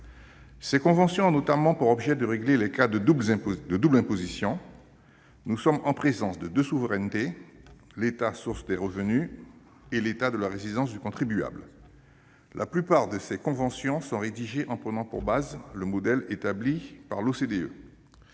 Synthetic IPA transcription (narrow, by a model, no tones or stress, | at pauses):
sɛkɔ̃vɑ̃sjɔ̃not̪amɑ̃puʁɔbʒɛd̪əʁeɡlelɛkad̪əublɛ̃d̪əd̪ublɛ̃pozisjɔ̃ | nusɔmɑ̃pχezɑ̃sd̪əd̪øsuvəʁɛnt̪e | let̪asuʁsd̪ɛʁəvəny | elet̪ad̪əlaʁezid̪ɑ̃s̬d̪ykɔ̃t̪χibya̰bl | lʔa̰plypaʁd̪əsɛkɔ̃vɑ̃sjɔ̃sɔ̃ʁed̪iʒeʔɑ̃pχənɑ̃pṵʁbazləmɔd̪ɛlet̪ablipaʁlosed̪eø̰